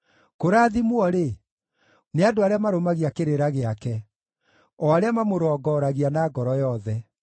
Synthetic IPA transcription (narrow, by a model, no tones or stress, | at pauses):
koɾaːðimwɔɾe | neadoaɾeamaɾomaɣiakeɾeɾaɣeakɛ | ɔaɾeamamoɾɔːɡɔɾaɣianaːɡɔɾɔjɔðɛ